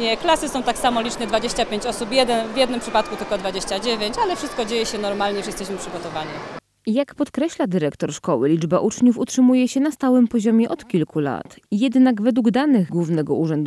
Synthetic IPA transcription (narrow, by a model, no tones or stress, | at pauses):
ɲɛklasɘsɔ̃w̃t̪aksamɔlʲit͡ʂɲɛd̪vad͡ʑeɕt͡ɕapʲjeɲt͡ɕɔsupjɛd̪ɛnvʲjɛd̪nɘmpʂɘpat̪̚kut̪ɘlkɔd̪vad͡ʑeɕt͡ɕad͡ʑevʲeɲt͡ɕalɛfʂɘst̪̚kɔd͡ʑejɛɕɛnɔɾmalɲɛʂjɛst̪ɛɕmɘpʂɘɡɔt̪ɔvaɲi | jakpɔt̪kɾɛɕlad̪ɘɾɛkt̪ɔɾʂkɔwɘlʲid͡ʐbaʔut͡ʂɲufutʂɘmujɛɕɛnast̪awɘmpɔʑɔmʲjɛʔɔt̪kʲilkʰula̰t̪ | jɛd̪naɡvɛd̪wuɡd̪anɘɣɡwuvnɛɡɔuʐɛnd̪